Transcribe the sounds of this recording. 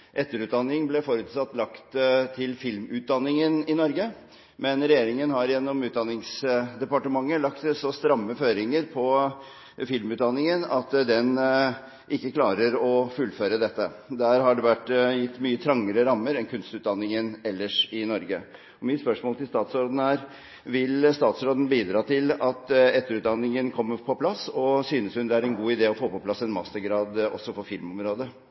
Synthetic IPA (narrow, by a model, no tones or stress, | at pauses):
ʔɛt̪ːəɾʉːt̪̚d̪ɑnːɪŋblɛfoːɾʉːt̪sɑt̪ːlɑkt̪t̪ʰɪlfɪlmʉːt̪̚d̪ɑnːɪŋənɪnɔɾɡə | mɛnɾɛjeːɾɪŋənhɑɾjɛnːɔmʉːt̪̚d̪ɑnɪŋsd̪ɛpɑʈəmɑŋːəlɑkt̪sɔst̪ɾɑmːəføːɾɪŋəɾpʰɔ | fɪlmʉːt̪̚d̪ɑnːɪŋənɑt̪ːd̪ɛn | ʔɪkːəkʰlɑːɾəɾɔfʉlːføːɾəd̪ɛt̪ːəd̪æːɾɦɑɖɛʋæʈːjɪt̪ːmyːət̪ʰɾɑŋːəɾəɾɑmːəɾɛnkʰʉnst̪ʉːd̪ɑnːɪŋənɛlːəʂɪnɔɾɡə | ɔmɪt̪spœʂmoːlət̪ʰɪlst̪ɑːt̪sɾoːd̪n̩hæːɾ | ʋɪlst̪ɑːt̪sɾoːd̪n̩biːd̪ɾɑːt̪ʰɪlɑt̪ɛt̪ːəɾʉːt̪d̪ɑnːɪŋənkʰɔmːəɾpʰɔpʰlɑsɔsyːnəsʉnd̪ɛæɾɛnɡuːɪd̪eːɔfoːpɔpʰlɑsːɛnmɑ̰ːst̪əɾɡɾɑːd̪ʔɔ̰sːɔfɔɾfɪlmɔmɾoːd̪ə